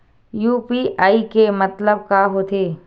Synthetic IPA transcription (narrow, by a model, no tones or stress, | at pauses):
juːpiːʔaːikemɐt̪ləb̚kaɦot̪eː